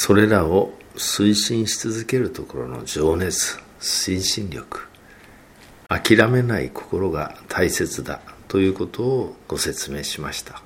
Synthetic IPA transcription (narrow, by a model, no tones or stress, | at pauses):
so̞ɾe̞ɾao̞ | sɨiɕĩɰ̃ɕi̥t͡sɨzɨke̞ɾɯ̟t̪o̞ko̞ɾo̞̰no̞̰d͡ʑo̞ːne̞t͡sɨ̥ | ɕĩɰ̃ɕĩnɾʲjo̞̰kɯ̟̥ | akʲiɾame̞naḭkʰo̞̥ko̞ɾo̞ɡa̰t̪ʰaise̞t͡sɨd̪a̰t̪o̞jɯ̟ːko̞t̪o̞ːɡ̥o̞se̞t͡sɨme̞ːɕimaɕi̥t̪ḁ